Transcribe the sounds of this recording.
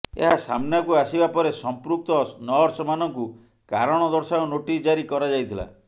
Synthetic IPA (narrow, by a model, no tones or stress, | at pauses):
ḛɦasa̰mnjakuasibapɔɾesɔmpɾuk̚t̪ɔnɔɾsɔmanɔŋku | kaɾɔɽ̃ɔd̪ɔɾsaɾɔnoʈisd͡ʒaɾikɔɾad͡ʒajt̪ʰila̰